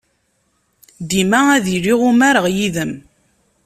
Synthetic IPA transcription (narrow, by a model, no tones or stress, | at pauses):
d̪imææðiɾiʁumæɾəʁjiðəm